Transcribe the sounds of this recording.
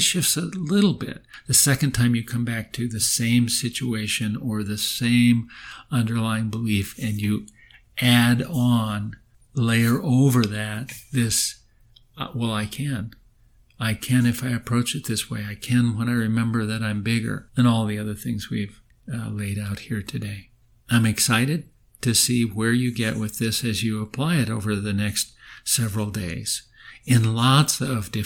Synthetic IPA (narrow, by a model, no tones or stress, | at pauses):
ʃɪfsəlɪɾl̩ˠbɪ̰t̪̚ðɨsɛkɨ̃ntʰãɪ̃mjɨkʰʌ̃mbæk̚tʰɨðɨsẽɪ̃msɪt͡ʃueɪʃɨ̃nə˞ðɨsẽɪ̃mʌ̃ndə˞laɪɪ̃ŋbəlifɨ̃njɨ | ʔæɾn̩ | leɪə˞ʔoʊvə˞ðɨt̪̚ðɪs | wɛlˠaɪkʰɨ̃n | aɪkʰɨ̃nɨfaɪɨpʰɹ̥oʊt͡ʃɨt̪̚ðɪsweɪaɪkʰɨ̃nwə̃ñaɪɹɨmɛ̃mbə˞ðɨɾãɪ̃mbɪɡə̰˞ðɨ̃nɔlˠðiʌðə˞θɪ̃ŋzwiv̥ | leɪɾaʊt̚hiɹtʰɨdeɪ | ãɪ̃mɨksaɪɾɨd̚ | tʰɨsiwə˞jɨɡɛʔwʔɨðɪsɨzjɨːpʰl̥aɪɨɾoʊvə˞ðɨnɛkstsɛvɹl̩ˠdeɪz̥ɨ̃nlɑtsʌvdɨ